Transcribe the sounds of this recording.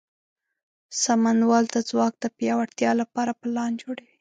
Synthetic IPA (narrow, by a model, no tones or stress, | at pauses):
samanwɑlt̪ad͡zwɑk̚d̪əpjɑwaɽt̪jɑlapɑɾapəlɑnd͡ʒoɽawi